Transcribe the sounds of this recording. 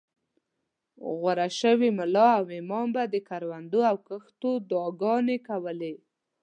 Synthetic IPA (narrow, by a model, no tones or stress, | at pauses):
ɣwaɾaʃəwimʊlɑawɪmɑmbad̪əkaɾwand̪oawkəxt̪od̪ɑɡɑnekawəle